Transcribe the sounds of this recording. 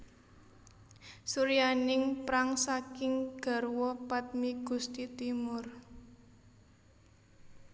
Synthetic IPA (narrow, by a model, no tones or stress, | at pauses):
suɾijanɪŋpɾaŋsakɪŋɡ̥a̤rwɔpat̪̚miɡ̥ṳst̪it̪imʊr